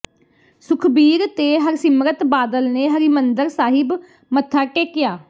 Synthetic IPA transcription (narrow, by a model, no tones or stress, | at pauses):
sʊkʰbiːɾt̪eːɦəɾsɪmɾət̪baːd̪əlneːɦəɾimənd̪əɾsaːɦɪb | mət̪ʰːaːʈeːkɪjaː